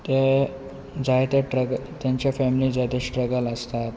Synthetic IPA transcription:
t̪e | d͡zajt̪eʈɾəɡt̪jãɲt͡ɕjafɛmilid͡zajt̪esʈɾəɡaləst̪at̪

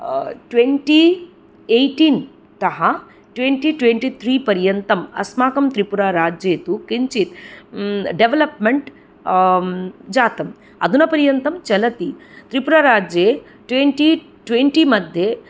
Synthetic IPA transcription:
ʈʋeɳʈiː | ejʈiːn | t̪ɐɦɐ | ʈʋeɳʈiʈʋeɳʈiːt̪ʰɾiːpɐɾjɐnt̪ɐmɐ̰smaːkɐmt̪ɾipuɾaːɾaːd͡ʒjeːt̪ukiɲt͡ʃit̪ | ɖeʋelɐpmeɳʈ | d͡ʒaːt̪ɐm | ɐ̰d̪ʱunɐpɐɾjɐnt̪ɐmt͡ʃɐlɐt̪i | t̪ɾipuɾaːɾaːd͡ʒjeː | ʈʋeɳʈi | ʈʋeɳʈimɐd̪ʱje

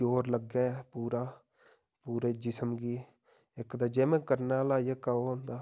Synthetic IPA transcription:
oːɾləɡaːpuːɾaː | puːɾeːd͡ʒɪsəmɡiː | ɪkd̪aːd͡ʒeːmɛ̃ːkəɾnaːlaːjaːkaːoːɦõnd̪aː

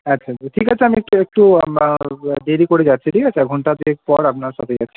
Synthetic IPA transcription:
atːɕʰaʈʰikat͡ɕʰeamiek̚ʈuek̚ʈu | ɖeɾikoɾed͡ʑatːɕʰiʈʰikat͡ɕʰaɡʱuɳʈat̪eek̚pɔɾapnaɾʃa̰t̪ʰed͡ʑa̰tːʰi̥

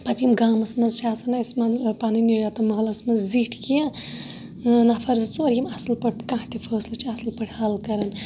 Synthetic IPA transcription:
pɐt̪jimɡaːmɐsmɐnzʃʰaːsɐnaismɐnpaːniniɽat̪ɐmɐɦlɐsmɐzziʈʰkijɐ̃ | nafʰɐɾzt͡soːɾjimɐslpɐʈ̚ʰkãɦt̪ifʰəːslɨt͡ʃʰiɐslpəʈʰhɐlkɐɾɐn

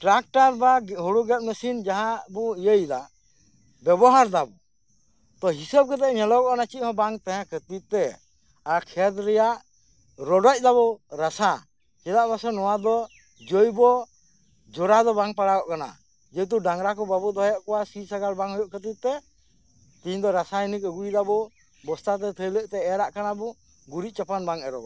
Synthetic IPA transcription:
ʈɾak̚ʈaɾbaɦuɽuɡɛt̪̚ˀməsind͡ʒaɦãbuijəjd̪aʔ | bɛbɔɦaɾd̪abu | t̪ɔɦisəb̚ɡɛt̪ɛʔɲɛlɔwɔʔkanat͡ʃiˀhɔ̃baŋt̪ãɦãkət̪it̪̚t̪ɛ | akʰɛd̪ɾɛjaʔ | ɾɔɖɔc̚ˀd̪aβɔɾasa | kɛd̪aʔmasɔnɔwad̪ɔ | d͡ʒɔjbɔ | d͡ʒɔɾad̪ɔbaŋpaɽaɡɔʔkana̰ | d͡ʒɛt̪̬uɖaŋɾakɔbabɔɔɦɔjɔʔkɔwasisaɡaɾbaŋhɔjɔʔkət̪it̪̚t̪ːɛ | t̪iɲd̪ɔɾasainikəɡujd̪abɔ | bɔst̪at̪̬ɛt̪ʰəjləʔt̪ɛɛɾaʔkanabɔ | ɡuɾit̪̚t͡ʃapanbaŋɛɾɔ̰

